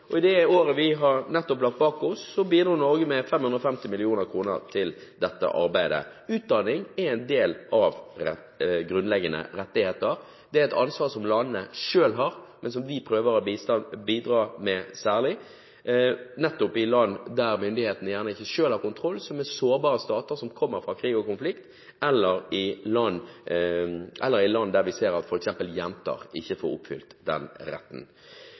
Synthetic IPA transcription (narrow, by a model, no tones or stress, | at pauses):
ɔɪd̪ɛoːɾəʋɪɦɑɾnɛt̪ːɔplɑkt̪̚bɑːkɔsːɔbiːd̪ɾɑːnɔɾɡəmɛfɛmhʉnd̪ɾɔfɛmt̪ɪmɪlɪuːnəɾkʰɾuːnə̰ɾt̪ʰɪld̪ɛt̪ːə̰ʔɑ̰ɾbæɪd̪ə̰ʉːt̪̚d̪ɑnɪŋɛɾæɪnd̪eːlʔɑʋɛ | ɡɾʉnlɛɡːənə̰ɾɛt̪ːɪheːt̪əɾ | d̪̥ɛæɾɛɪt̪ɑ̰nsʋɑːʁsɔmlɑnnəʂøːlɦɑɾmɛns̬ɔmʋɪpʰɾøːʋəɾɔbiːst̪ɑnbiːd̪ɾɑːmɛsæːʁlɪ | nɛt̪ːʊpɪlɑnːd̪æɾmʏnd̪ɪheːt̪nəjæːʁnəɪçːəʂøːlhɑʁkʊnt̪ʰɾɔlːsɔmɛsoːɾbɑːɾəst̪ɑːt̪əɾsɔmkʰɔmːəɾfɾɑːkʰɾiːɡɔkʊnflɪkt̪ | ɛlːəɾɪlɑnː | ʔɛlːəɾɪlɑnːd̪æɾʋɪseːɾɑt̪fɔɾɛksɛmpəljɛmt̪ʰɑ̰ɾɪçːəfo̰ɾʊ̰pfʏ̰lt̪d̪ɛ̰nɾɛ̰t̪ːn̩